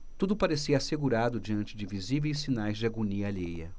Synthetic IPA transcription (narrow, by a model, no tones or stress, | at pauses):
t̪ud̪ʊpaɾesiɐaːseɡuɾad̪ʊd͡ʒiɐ̃nt͡ʃɪd͡ʒɪvizivejs̬ːinajzd͡ʒɪaɡoniɐaʎejɐ̰